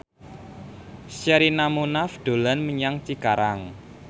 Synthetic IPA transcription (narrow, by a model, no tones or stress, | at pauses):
saɾinamunafɖ̪̥o̤lanməɲaŋt͡ʃikaɾaŋ